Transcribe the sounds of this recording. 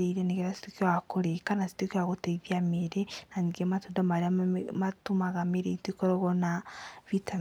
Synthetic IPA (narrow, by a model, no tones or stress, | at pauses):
eiɾeneɣeɾasi̥tokjwakoɾekanasi̥tokiwaɣoteiðiameɾenaniɡematondamaɾiamatumaɣameɾeitekoɾoɣɔnaβitʰa